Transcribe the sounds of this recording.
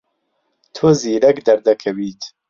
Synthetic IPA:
t̪ʰuziːɾɛkd̪ɐɾd̪ɐkʰɛwiːt̪ʰ

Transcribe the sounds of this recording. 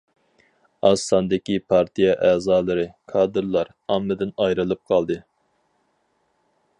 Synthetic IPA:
ɑsɑnd̪ɪkʲipʰɑɾt̪ʰijɛʔɛːzɑːlˠɨɾɨkʰɑːd̪ɨɾlˠɑɾ | ɑmːɨd̪ɪnɑjɾɨlˠɨp̚qʰɑlˠd̪ɨ

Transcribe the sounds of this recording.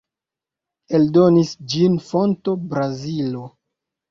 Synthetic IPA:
e̞ldo̞nisd͡ʒinfo̞nto̞bɾazilo̞

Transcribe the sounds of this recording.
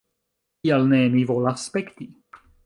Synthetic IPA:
ialnemivolasːpekt̪i

